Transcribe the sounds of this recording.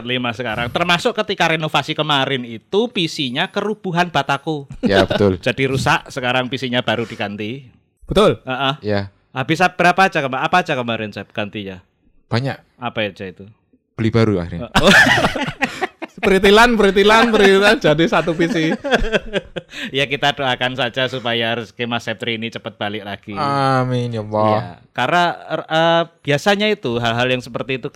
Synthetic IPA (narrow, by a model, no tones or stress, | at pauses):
t̪limasəkaɾaŋt̪ərmasʊkkət̪ikaɾenofasikəmaɾɪnit̪upisiɲakəɾub̥uɦanb̥at̪akujabət̪ʊld͡ʒ̥adiɾusaʔsəkaɾaŋpisiɲab̥aɾud̥ikant̪i | b̥ət̪ʊləʔəhja | hab̥isab̥əɾapḁːd͡ʒakəmaʔapaːd͡ʒakəmaɾɪnsɛb̚ɡ̥ant̪iɲa | b̥aɲaʔ | apaad͡ʒait̪u | b̥əlibaɾua̰xirɲao | pɾit̪ilanpɾit̪̬ilanpəɾiad͡ʒadisat̪upisi | jakit̪adoakansad͡ʒasupajarskemasɛp̚t̪ɾiːnit͡ʃəpət̪̚b̥alɪk̚laɡ̥iaminjɔlɔakaɾnaəb̥iasaɲait̪uɦalɦaljaŋsəpərt̪iːt̪u